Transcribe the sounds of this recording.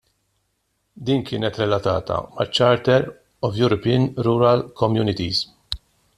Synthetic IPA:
d̪iːnkɪːnɛt̪ɾɛlɐt̪ɐ̰ːt̪ɐ̰mɐ̰t͡ʃːɐɾt̪ɛɾ | ɔvjuɾɔpinɾuɾɐlkʰɔmjuːnɪt̪iz

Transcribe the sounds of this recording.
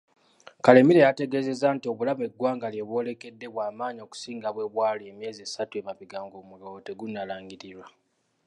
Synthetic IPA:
kale̞miɾe̞jate̞ɡe̞ːze̞zaːntio̞βulame̞ɡwaːŋɡaljeβwo̞ːle̞ke̞dːe̞βwaːmaːɲo̞ku̥siːŋɡaβwe̞βwaːliemje̞ːziesatue̞maβiɡaːŋɡo̞ːmulo̞teɡunːalaːŋɡiɾiɾwa

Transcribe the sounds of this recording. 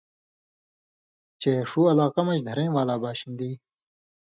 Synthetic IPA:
t͡ɕeʂuːɐlaːqɐmɐɕd̪ʱɐɾẽːwaːlaːbaːɕind̪iː

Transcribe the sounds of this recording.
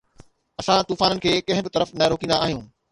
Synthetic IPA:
ɐsãt̪uːfaːnənɪ̆kʰeːkɐ̃ɦɪ̃bɪt̪ɐɾəfnɐɾoːkĩːnd̪aaːɦijũː

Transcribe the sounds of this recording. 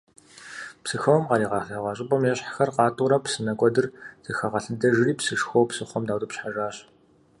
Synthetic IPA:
psɨxoːmqɑɾiːʁɑxaʁʷɑːɕʼɪpʼɐmjɛɕħaxɐrqɑːtʰʼʊɾɐpsɨnɐkʷʼɔdɨrzɨxɐʁɐɬɨdɐʒɨriːpʰsɨʂxoːpsɨχʷɔmdawt̪ʼɨpɕħaʒaːɕ

